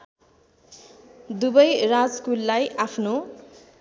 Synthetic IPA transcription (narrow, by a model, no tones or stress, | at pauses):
d̪ubʌjrad͡zskulːajʔapʰno